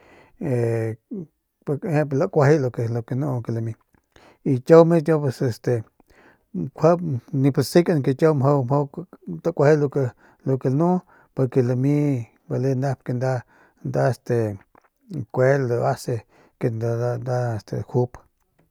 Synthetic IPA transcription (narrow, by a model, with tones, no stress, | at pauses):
e | phẽ˦pla˧ʔkʷa˧ɦi˦lo˧ke˧lo˧ke˧nũ˦˧ke˧la˧mĩ˧ | i˧t͡ʃo˦wmĩ˦t̪̬ʲjõ˦p̬e˧se˧st̪e˨ | kʷʰa˦pnĩ˧pa˨si˦ka˧n˧ke˧t͡ʃo˦wmɦo˦wmho˦t̪a˦kʷa˧hi˦lo˧ke˧ | lo˧ke˧lnũ˦ | po˧ɾke˧la˧mĩ˦ | ba˧le˦na˦pke˧nd̪a˦ | nd̪a˦e˧st̪e˨ | kʷe˦lo˧a˦se˧ | ke˧nd̪a˦e˨st̪ḛ˨hu˦p